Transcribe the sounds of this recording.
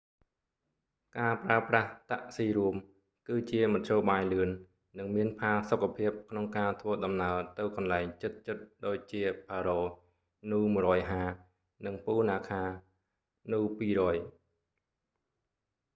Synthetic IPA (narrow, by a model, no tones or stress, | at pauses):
kaːpraəpraht̪aʔsiːɾuəm | kɨːt͡ɕiəmɑt̪ʰt͡ɕjoːɓaːjlɨənː | ɨŋmiənpʰaːlsokʰːapʰiəp̚kʰnoŋkaːt̪ʰʋəəɗɑmnaət̪ɨwkɑnlaɛŋt͡ɕɨt̪̚t͡ɕɨt̪̚ɗoːc̚t͡ɕiəpʰaːɾoː | nuːmuərɔːjɦaː | nɨŋpuːnaːkʰaː | nuːpiːrɔːj